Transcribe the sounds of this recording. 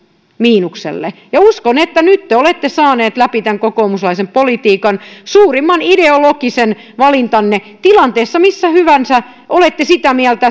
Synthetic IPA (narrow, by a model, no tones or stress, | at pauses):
miːnuksḛlːḛjɑuskonet̪ːænyt̪ːeolet̪ːesɑːneːt̪læpit̪æŋkokoumuslɑisempolit̪iːkɑnsuːrimːɑnideolokisen | ʋɑlint̪ɑnːe | t̪ilɑnt̪eːsːɑmisːæhyʋænsæ | ʔolet̪ːesit̪æmiælt̪æ